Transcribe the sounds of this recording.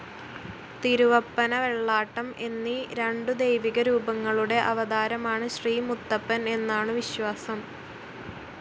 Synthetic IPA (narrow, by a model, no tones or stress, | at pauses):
t̪iɾuʋɐpːɐnɐʋe̞ɭːaːʈːɐme̞nːiɾe̞ɳɖɨd̪ejʋiɣɐɾuːbɐŋːɐɭuɽe̞ʔɐʋɐd̪aːɾɐmaːɳɨɕriːmut̪ːɐpːɐne̞nːaːɳɨʋiɕwaːsɐm